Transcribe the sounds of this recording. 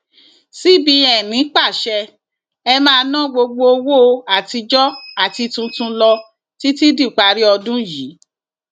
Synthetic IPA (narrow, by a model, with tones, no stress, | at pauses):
si˦bĩ˧ɛ˨nĩ˨˦k͡pa˦˨ʃɛ˧ | ɛ˧mãː˦˧nã˦ɡ͡bo˧ɡ͡bo˧o˧wo˦˧a˦˨ti˧d͡ʒɔ˦a˦˨ti˧tũ˧tũ˧lɔ˧ | ti˦ti˦di˦˨k͡pa˨˦ɾi˦ɔ˧dũ˦ji˨˦